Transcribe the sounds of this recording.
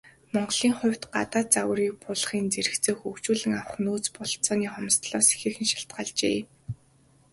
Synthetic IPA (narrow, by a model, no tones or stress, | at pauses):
mɔɴɢɮiːŋχʊ̟wʲt̪ɢa̰t̪aːt͡saw̆riːk̚pʰʊɮχiːnt͡seɾɘ̆xt͡seːxukt͡ɕuːɮɘ̆ŋawə̆χnuːt͡spʊɮt͡sɔːniːχɔmst̪ɮɔːse̥xɘ̆xɘ̆nʃḁɬt̪̚ɢaːɮt͡ɕḛː